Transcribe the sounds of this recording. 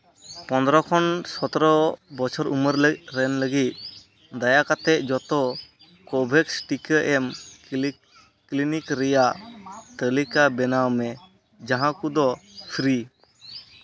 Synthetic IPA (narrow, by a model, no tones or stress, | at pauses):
pɔ̃nd̪ɔɾɔkʰɔnsɔt̪ɔɾɔbɔt͡ʃʰɔɾuməɾləɾɛnləɡit̪̚ˀ | d̪ajakat̪ɛʔ̚d͡ʒɔt̪ɔ | kɔbʱɛksʈikəʔɛm | klinikɾɛjaʔt̪əlikabɛnawmɛ | d͡ʒaɦãkud̪ɔpʰɾi